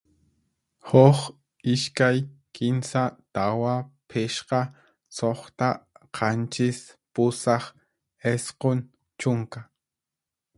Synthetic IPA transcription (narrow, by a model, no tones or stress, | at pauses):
hoχ | ɪʃkajkɪnsat̪awapʰɪʃqɑ | soχt̪aqʰɑnt͡ʃɪspʊsɑχ | esqon | t͡ʃʊŋka